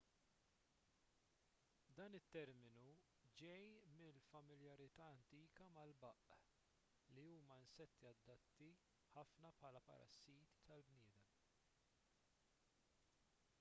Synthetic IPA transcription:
d̪ɐːnɪt̪ːɛɾmɪnu | d͡ʒɛjmɪlfɐmɪljɐɾɪt̪ɐːɐnt̪iːkɐmɐlbɐʔ | liuːmɐɪnsɛt̪ːiɐd̪ːɐt̪ːi | ħɐfnɐpħɐːlɐpɐ̰ɾɐ̰sːiːt̪i̥t̪ɐlbnɪːd̪ɛm

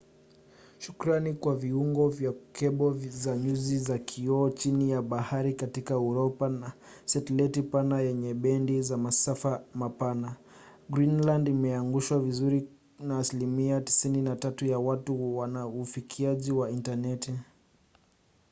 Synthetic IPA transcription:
ʃukɾanikwaviuŋɡɔvjakʰɛɓɔzaɲuzizakʰiɔːt͡ʃinijaɓahaɾikatikaɛuɾɔpana | sɛtɛlɛtipanajɛɲɛɓɛndizamasafamapana | ɡɾinlandimɛaŋɡuʃwavizuɾi | naːsilimiati̥sininatatujawatuwanaufikʰiaʄiwaintanɛti

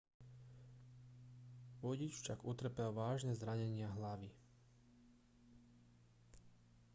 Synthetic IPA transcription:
ʋɔɟit͡ʃfʃaɡut̪r̩pɛlʋaːʒnɛzɾaɲɛɲɪaɦlaʋi

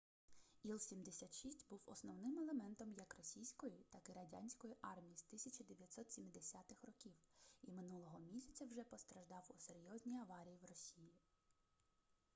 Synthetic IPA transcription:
ilˠsʲimd̪esʲat̪ʃisʲtʲbuwɔ̰snɔwnɪmelˠemɛnt̪ɔmjɐkrɔsʲijsʲkɔjit̪ɑkɪɾɐdʲa̰nʲsʲkɔjiʔɑrmʲijist̪ɪsʲɐt͡ʃɐd̪eʋʲjɐtʲsɔt̪sʲimʲd̪esʲat̪ɪxrɔkʲiwimɪnulˠɔɦɔmʲisʲɐt͡sʲɐwʒɛpɔst̪ɾɐʒd̪ɑwuseɾʲjɔzʲnʲijɐʋɑɾʲijiwrɔsʲiji

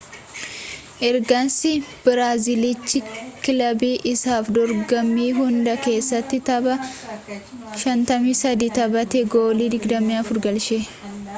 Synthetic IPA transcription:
ʔɛɾɡɐnsɪb̥ɪɾaːzɪlɪt͡ʃːɪkɪlɐbiːʔɪsaːfd̪ɔɾɡɐmːiːɦʊnd̪ɐke̞ːsːɐt̪ːɪt̪ɐbɐ | ʃɐnt̪ɐmiːsɐd̪iːt̪ɐbɐt̪ɛɡoːliːd̪ɪɡd̪ɐmːiːɐfʊɾɡɐlʃe

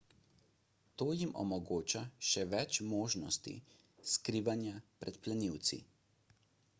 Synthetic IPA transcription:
t̪oːjimɔ̰mɔɡoːt͡ʃaʃɛʋɛt͡ʃmoːʒnɔst̪ḭ | skɾiːʋanjapɾɛt̪plɛniwt̪sḭ

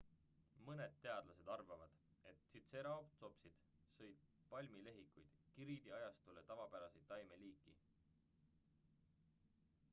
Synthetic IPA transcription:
mɤne̞d̪̥̚t̪ːe̞ɑd̪lɑse̞d̪̥ɑrvɑvɑd̪̥e̞t̪sit̪se̞ɾɑopt̪so̞psid̪̥ | sɤjd̪̥̚ | pɑlʲmile̞ɦikːˑujd̪̥kiɾid̪̥iɑjɑst̪ule̞t̪ɑvɑpæɾɑsej̪ɑjme̞liːkːˑi

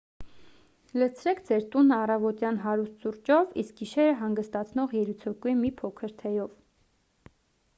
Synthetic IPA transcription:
lət͡sʰɾɛkʰd͡zɛɾt̪unɑrɑvɔt̪jɑnɦɑɾust̪suɾt͡ʃɔvisk̚ɡiʃɛɾəɦɑŋɡəst̪ɑt͡sʰnɔʁjɛɾut͡sʰɔkuimipʰɔkʰəɾt̪ʰɛjɔv

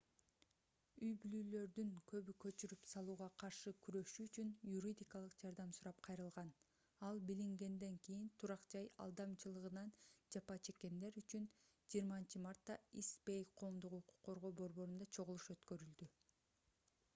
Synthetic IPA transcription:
yjbylyːlø̞ɾd̪yŋkʰø̞βykø̞t͡ʃyɾypsɑlˠuːʁɑqʰɑɾʃɯkʰyɾø̞ʃyːt͡ʃynjuɾʲid̪ʲikɑlˠɯqd͡ʒɑɾd̪ɑmsuɾɑp̚qʰɑjɾɯlˠʁɑn | ɑlˠbiliŋɡe̞nd̪e̞ŋkijint̪ʰuɾɑqd͡ʒɑjɑ̰lˠd̪ɑmt͡ʃɯlˠɯʁɯnɑnd͡ʒɑpɑt͡ʃʰe̞kːe̞nd̪e̞ɾyt͡ʃyn | d͡ʒijːɾmɑnt͡ʃɯmɑɾt̪ːɑispejqʰo̞ːmd̪uququ̥qːo̞ɾʁo̞ːbo̞ɾbo̞ɾund̪ɑt͡ʃʰo̞ʁulˠuʃø̞t̪kø̞ɾyld̪y

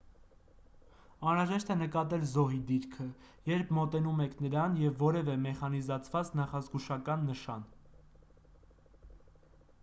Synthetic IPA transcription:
ɑnɾɑʒɛʃt̪ɛnəkɑt̪ɛlzɔɦid̪iɾkʰə | jɛɾpʰmɔt̪ɛnumɛkʰnəɾɑnjɛvːɔɾɛvɛmɛχɑnizɑt͡sʰvɑt͡snɑχɑzɡuʃɑkɑnːəʃɑ̰n

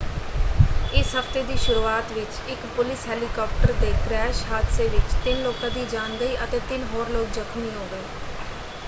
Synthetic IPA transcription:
ɪsɦəft̪eːd̪iːʃʊɾuːaːt̪ʋɪt͡ʃ | ɪkpʊlɪsɦɛːlikɔːp̚ʰʈəɾt̪eːkɾɛːʃɦaːd̪seːʋɪt͡ʃt̪ɪnloːkãːd̪iːd͡ʒaːnɡəiːʔət̪eːt̪ɪnɦoːɾloːk̚zəkʰmiːɦoːɡəeː

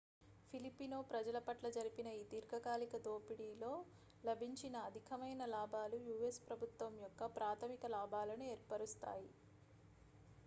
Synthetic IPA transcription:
pʰilipːinoːpɾɐd͡ʒɐlɐpɐʈlɐd͡ʒɐɾipinɐiːt̪iːɾkɐɡaːlikɐd̪o̞ːpiɽiːlo̞ː | lɐbʱiɲt͡ʃinɐːd̪ʱikʰɐmɐjnɐlaːbʱaːlujuːespɾɐbʱut̪ʋɐmjɔkːɐpɾaːt̪ʰɐmikɐlaːbʱaːlɐnueːɾpɐɾust̪a̰ːji

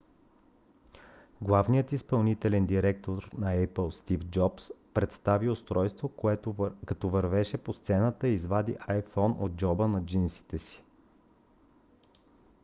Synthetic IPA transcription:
ɡlˠavnijət̪ispɐlˠnit̪ɛlɛnd̪iɾɛk̚t̪oɾnɐɛpəlˠst̪ifd͡ʒɔpspɾɛt̪st̪aviost̪ɾɔjst̪vo | kɐt̪ɔvɐɾvɛʃɛpost̪sɛnət̪əiːzvad̪ḭʔajfɔno̰d̪̚d͡ʒɔbənɐd͡ʒinsi̥t̪ɛsi̥

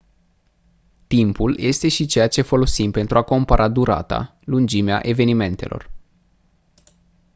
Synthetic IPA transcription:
t̪impulje̞st̪e̞ʃit͡ʃe̞jat͡ʃe̞fo̞lo̞simpe̞nt̪ɾuako̞mpaɾʔad̪uɾa̰t̪a̰ | lund͡ʒimea̰ʔe̞ve̞nime̞nt̪e̞̰lʔo̞̰r

